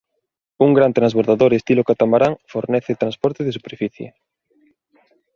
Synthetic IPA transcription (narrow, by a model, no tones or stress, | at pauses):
uŋɡɾant̪ɾanzβoɾðaðoɾest̪ilokat̪amaɾaŋfoɾnɛθet̪ɾãnspɔɾt̪eðesupeɾfiθjḛ